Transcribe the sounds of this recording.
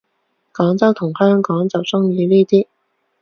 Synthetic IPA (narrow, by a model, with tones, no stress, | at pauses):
kɔː˨˥ŋt͡sɐ˥wt̪ʰʊ˨˩ŋhœː˥ŋkɔː˨˥ŋt͡sɐ˨˩wsʊ˥ŋjiː˨˧liː˥˩t̪iː˥